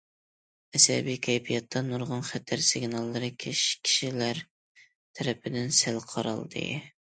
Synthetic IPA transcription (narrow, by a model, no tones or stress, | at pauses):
ɛsɛ̰bikʲʰɛjpʰijɑt̪ʰːɑnuɾʁʊnχæt̪ʰæɾsɪɡnɑlˠːɨɾɨkʲʰeʃkʲʰi̥ʃilæɾ | t̪ʰɛɾɛpʰɪd̪ɪnsælqʰɑɾɑ̰lˠd̪ɨ̰